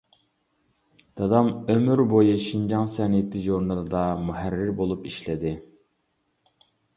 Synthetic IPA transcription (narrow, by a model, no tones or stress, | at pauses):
d̪̥ɑd̪ɑmømyɾbojuʃind͡ʒɑŋsɛnijet̪ʰɪʒoɾnɑlˠɨd̪ɑmuɦæɾːɪɾbolˠupiʃlɛd̪ɪ